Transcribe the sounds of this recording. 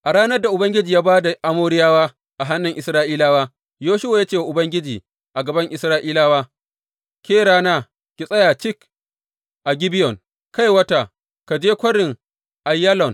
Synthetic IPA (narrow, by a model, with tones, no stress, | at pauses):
ʔa˨ɾaː˦nɐ˦rda˨ʔʊ˨bɐ˦ŋɡʲɪ˦d͡ʒiː˨jaː˦baː˦da˨ʔa˨moː˦ɽɪ˦jaː˦waː˦ | ʔa˨ɦa˦nːɪ˨ŋʔɪ˨sɾaː˦ʔiː˦laː˦waː˦ | joː˦ʃʊ˦wa˨jaː˦t͡ʃeː˦˨a˨ʔʊ˨bɐ˦ŋɡʲɪ˦d͡ʒiː˨ | ʔa˨ɡɐ˨bɐ˦ŋʔɪ˨sɾaː˦ʔiː˦laː˦waː˦ | kʲeː˦ɽaː˦naː˦ | kʲi˨sʼɐ˦jaː˨t͡ʃɪ˦k | ʔa˨ɡʲɪ˦bɪ˦jɔ˨ŋ | ka˦jwɐ˦ta˨ | ka˨d͡ʒeː˦kʷɐ˦ɽɪ˨ŋ | ʔa˨jːa˦lɔ˨n